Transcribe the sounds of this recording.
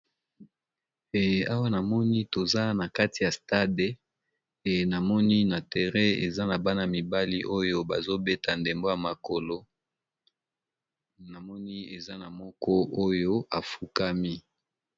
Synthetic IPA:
a˦wa˦na˨mɔ˦ni˦to˨za˦na˨ka˦ti˨ja˨sta˦de˨ | na˨mɔ˦ni˦na˨te˨ʁɛ˦ḛ˨za˦na˨ba˦na˨a˨mi˨ba˦li˦ʔo˦jo˦ba˨zo˦be˦tʰa˨nde˨mbo˦ja˨ma˨ko˨lo˦ | na˨mɔ˦ni˦e˨za˦na˨mɔ˦kɔ˦o˦jo˦a˨fu˦ka˦mi˦

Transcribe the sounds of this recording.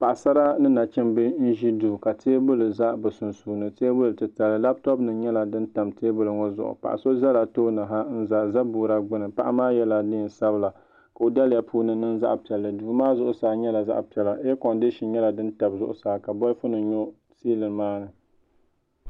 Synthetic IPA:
pa˨ʔa˨sa˦ɾa˦nɨ˦na˨t͡ʃɪ˦mbɨ˦n̩˦ʒi˦duː˨ka˨tʰeː˦bʊ˦lɨ˨za˦ʔbɨ˨sʊ˨nsu˨nɨ˦˨te˦bʊ˦lɨ˨tɨ˨ta˨lɨ˦la˦b̚tɔ˦bnɨ˨ɲɛ˦la˨dɨ˦n˦ta˨mteː˦bʊ˦lɨ˨ŋo˦zʊ̰˨ʔʊ̰˨pa̰˨ʔa̰˨so˦za˦la˨toː˦na˨ɦa˦n̩˦za˨za˦buː˨ɾa˦ɡ͡bɨ˦nɨ˨pa̰˦ʔa˦maː˦jɛ˦la˨dɪ˦˨nsa˦bɨ˨la˨ | ka˨o˨da˦lja˦puː˦nɨ˦nɨ˦n˦za̰˦ʔpi˨ɛ˨lːɨ˨duː˨maː˦zʊ˦ʔʊ˨saː˨˦ɲɛ˦la˨za̰˦ʔpi˨ɛ˨la˨ʔɛ˦kɔ˨ndɨ˦ʃi˨ɲɛ˦la˨dɨ˦nta˨bzʊ˦ʔʊ̰˨saː˨ka˨bɔ˦fʊ˦nɨ˨ɲo˦ | siː˦lɨ˨nmaː˦nɨ˨

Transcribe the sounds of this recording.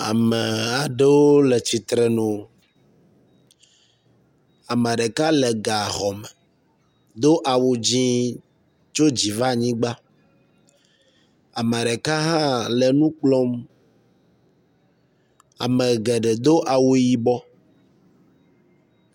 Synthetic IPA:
a̰˨mɛ˨a˨ɖe˦wo˦lɛ˨t͡ɕi˨t̪ɾɛ˨nõ˨ | a˨mɛ˨ɖɛ˨ka˦lɛ˨ɡa˨ɦɔ˨mɛ˨ | d̪o˦ʔa˨wo˨d͡ʑĩ˦ | t͡ʃo˦d͡ʑi˨va˦ɲĩ˦ɡ͡ba˦ | a˨mɛ˨ɖɛ˨ka˦ɦã˦lɛ˨nũ˦k͡plɔ˦m | a̰˨mɛ̃˨ɡɛ˨ɖɛ˨d̪o˦ʔa˨wo˦ji˦bɔ˦

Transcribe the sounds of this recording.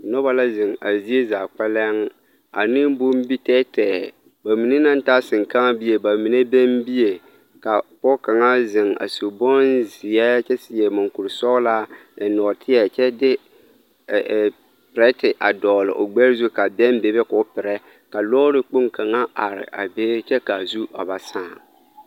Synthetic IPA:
nɔ˦ba˦la˦zɪ˨ŋa˨zi˦e˦zaː˨k͡pɛ˦lɛ˦ŋ | a̰˨nɪ˦m˦bu˦m˦bi˦tɛː˦tɛː˨ | ba˨mi˨ne˦na˦n˦ta˦sɪ˨ŋka˦ŋa˦bi˦je˨ba˨mi˨ne˦bɛ˦mbi˦je˨ | ka˨pɔ˦ka˨ŋa˦zɪ˨ŋa̰˨su˨bɔ˦nzɪ˨ɛ˦t͡ʃɛ˦sɪ˨jɛ˨mʊ˨ŋku˨ɾsɔ˦ɣla˦˨nɔ˨tʰɪ˦ɛ˨t͡ʃɛ˦dɪ˦˨ | pɪ˨ɾɛ˦tɪ˨ʔa˨dɔː˨lɪ̰˨ʔo̰˨ɡ͡bɛ˦ɾzu˦ka˨bɛ˦m˦be˨bɛ˦kʊ˦pɪ˨ɾɛ˦ | ka˨lɔ˦ɾɪ˦k͡pʊ˦ŋka˨ŋa˦ʔa˨ɾɪ̰˨ʔa˨beː˦ɾt͡ʃɛ˦ka˨zu˦a̰˨ba˨saː˦˨

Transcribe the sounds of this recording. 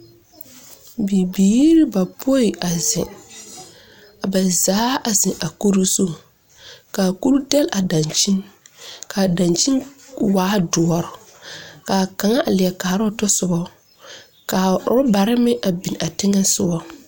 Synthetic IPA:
bi˨biː˨˦ɾɪ˦ba˨pʰo˦i˨ʔa˨zɪ̃˨ | a˨ba˨zaː˨˦a˨zɪ˨ʔa˨ko˦ɾi˦so˦˨ | ka˨ku˦lu˦dɛ˦lʔa˨da˨nt͡ʃi˦nkʰa˨da˨nt͡ʃi˦nwaː˨˦dʊ˨ɔ˨ɾʊ˨ka˨ka˨ŋa˦ʔa˨lɪ˨ɛ˨kaː˨ɾʊ˦˨˦tʊ˦sʊ˨bɔ˦ | ka˨ʊ˨ɾʊ˦ba˨ɾɪ˦mɪ˦ʔa˨bi˨na˨tɪ˦ŋɛ˦sʊ˦bɔ˦

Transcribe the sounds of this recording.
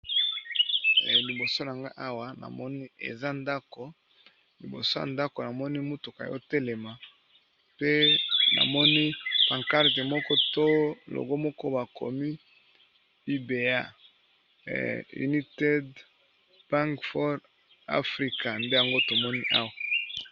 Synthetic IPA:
li˨bo˨so˦na˨ŋɡa˦ʔa˦wa˨na̰˨mɔ˦ni˦ḛ˨za˦nda˦ko˨ | li˨bo̰˨so˦ja̰˨nda˦ko˨na˨mɔ˦ni˦mo˦tu˨ka̰˨jɔ̰˦te˦le˨ma˨ | pe˦na̰˨mɔ˦ni˦pa˨ŋka˦ʁte˨mɔ˦kɔ˦to˦lo̰˨ɡo˦mɔ˦kɔ˦ba˨ko̰˨mi˦ | i˦be˨a˦˨ | ṵ˨ni˦te˦d | ba˦ŋkfɔ˦ʁ | a̰˦fʁi˦ka˨nde˦ja˨ŋɡo˦to˨mɔ˦ni˦ʔa̰˦wa˨

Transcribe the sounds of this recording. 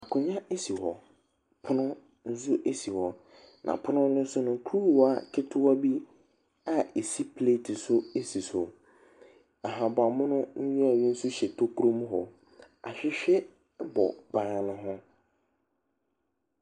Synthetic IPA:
a˨kʰʊ̃˨ɲã˦e˦si˨hɔ˨ | pʰʊ˦nʊ̃˦ | n̩˦zʊ˦ʔe˦si˨hɔ˨ | nʔã̰˨pʰʊ˦nʊ̃˦nʊ̃˦n̩˦sʊ˦nʊ̃˨ŋ˨kʰɾu˦˨wa˦kʰɪ˦tʰʊ˦wa˦bi˦ | a˨e˨si˦pʰle˦˨tʰɪ˨sʊ˦e˦si˨sʊ˨ | a˨ɦã˨ba˨mʊ̃˦nʊ̃˦ɲ̩˦ɲʊ˦a˨ɥi˦n̩˦sʊ˦ɕɛ˨tʰo˦kʰɾõ˦m˦ɦɔ˨ | a̰˨ɕᶣɪ˦ɕᶣɛ˦ | bɔ̰˨bãː˨˦˨nʊ̃˦ɦʊ̃˦

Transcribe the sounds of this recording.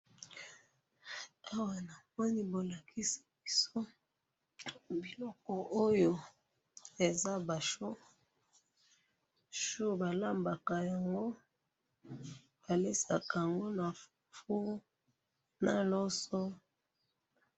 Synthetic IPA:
a˦wa˨na˨mɔ˦ni˦bo˨la˨kʰi˦si̥˨bi˨so˦ | bi˨lɔ˦kɔ˨ʔo˦jo˨ | e˨za˦ba˨ʃo˦ | ʃu˦ba˨la˦mba˨ka˨ja˨ŋɡo˦ | b̥a˨le˦sa˨ka˨a˨ŋɡo˦na˨˦ | fu˦ | na˨lo˦sɔ˦

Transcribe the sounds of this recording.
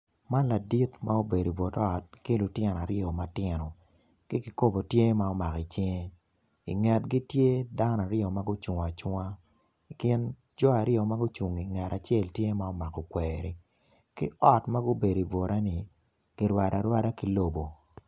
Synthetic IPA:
ma˦nla˨di˦tma˦o˦be˨di˨vo˨tɔ˨t̚ki˦lʊ˨tjɪ˦n˨a˨ɾjo˨ma˦tɪ˦nɔ˨ | kɪ˦ki˨ko˦bo˨tje˦ma˦ɔ˦ma˨ki˨t͡ʃi˦ŋe˦ | ḭ˨ŋɛ˨tɡi˦tje˦da˦n˨a˨ɾjo˨ma˦ɡʊ˦t͡ʃu˨ŋ˨a˨t͡ʃwa˦˨ | kɪ˦n | d͡ʒɔ˦a˨ɾjo˨ma˦ɡʊ˦t͡ʃu˨ŋi˨ŋɛ˨ɾa˨t͡ʃje˦˨ltje˦ma˦ɔ˦ma˨kɔ˨kweːɾi˨ | kɪ̰˦ɔ˦tma˦ɡʊ˦be˨di˨vo˨ɾʔa˦nɪ˨ | ɡ̥i˨ɾwa˨da˨ɾwa˦da˦ki˨lo˦bo˨

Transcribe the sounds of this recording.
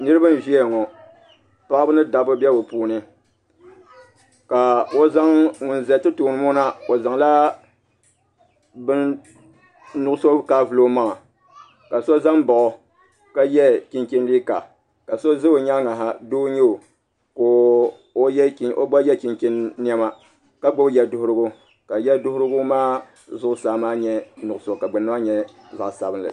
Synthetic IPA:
nɨ˦ɾɨ˦ba˦n˨ʒi˦ɛ˨ŋɔ˨ | pa˦ʔbɨ˦nɨ˦da˨bɨ˦bɛ˦o˨puː˦nɨ˦ | ka˨o˦za˦ŋŋʊ˨n˨zɛ˨tɨ˦toː˨nɨ˨˦mɔ˦na˦o˨za˨ŋla˦ | bɨ˦n | nʊ˦ʔʊ˦so˦kaː˦vɨ˨lo˦maː˦˨a˨ | ka˨so˦za˦ŋba˨ʔɔ˨ | ka˦jɛ˦ki˦nki˦nliː˦ka̰˨ | ka˨so˦zɨ˦o˨ɲa˦ŋa˨ɦa˦doː˦ɲɛ˦o˨ | koː˨ | o˦jɛ˦ki˦o̰˦ɡ͡bɔ˦jɛ˦ki˨ŋki˦nː˦ɛ˦ma˦ | ka˦ɡ͡bo˦bjɛ˦dʊ˦hʊ˦ɾʊ˦ɡʊ˦ | ka˨jɛ˦dʊ˦hʊ˦ɾɨ˦ɡʊ˦maː˦ | zʊ˦ʔʊ˦saː˨˦maː˦ɲɛ˦nʊ˨ʔʊ˦so˦˨ka˨ɡ͡bɨ˨nːa˦a˦ɲɛ˦ | za˨ʔsa˨bɨ˦nlɨ̰˨

